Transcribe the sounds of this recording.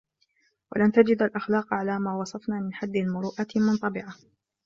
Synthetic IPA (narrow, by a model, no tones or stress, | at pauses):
wa̰lant̪ad͡ʒɪd̪alʔaxlaːqʕalaːmaːwɑsˤɑfnaːmɪnħad̪ːalmʊɾuːʔamʊnt̪ˤɑbɪʕa